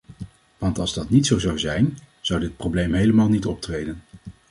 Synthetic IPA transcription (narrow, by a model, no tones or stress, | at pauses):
ʋɑntɑlˠzdɑtnitsowzɑwzɛjn | z̥ʌwdɪt̚prowblejmɦejləmaːlˠnitɔp̚trejdən